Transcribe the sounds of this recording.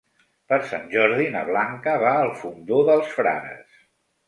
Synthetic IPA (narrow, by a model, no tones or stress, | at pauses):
pəɾsa̰nʲʒɔɾðinə̰βlaŋkəβaəlˠfund̪oðəlˠsfɾa̰ðə̰s